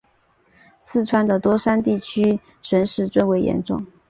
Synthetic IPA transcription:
sɹ̩˥˩ʈ͡ʂʰwa˥nd̪ə˨t̪wɔ˥ʂa˥nt̪i˥˩t͡ɕʰy˥ | ʂwə˧˥nʂɻ̩˧˥t͡swe˥˩ɪwe˧˥ɪjɛ̰˧˥nʈ͡ʂʊ˥˩ŋ

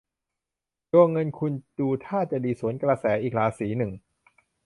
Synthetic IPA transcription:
joː˧ŋɤ˧nkʰu˧nduː˧t̪ʰaː˥˩t͡ɕa˨˩diː˧su˩˦ənkɾa˧sɛː˩˦ʔiː˨˩k̚laː˨˦siː˩˦nɯ˨˩ŋ

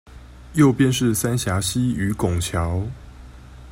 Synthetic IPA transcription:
jo˥˨ʊpjɛ˥˧nʂɻ̩˥˨sa˥nɕja˨˥ɕi˦˥y˧˥kʊ˨˩ŋt͡ɕʰjɑ˨˦ʊ

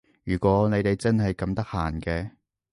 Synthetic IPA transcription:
jyː˨˩kʷɔː˨˥ne˨˧jt̪e˨jt͡sɐ˥nɦɐ˨jkɐ˨˧˥mt̪ɐ˥k̚haː˨˩nkɛː˧

